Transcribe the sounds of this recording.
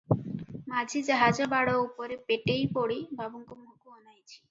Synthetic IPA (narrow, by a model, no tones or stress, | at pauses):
mad͡ʒʱid͡ʒaɦad͡ʒɔbaɽɔupɔɾepeʈejpoɽibʱabɔŋkumukuɔnajt͡ʃʰi̥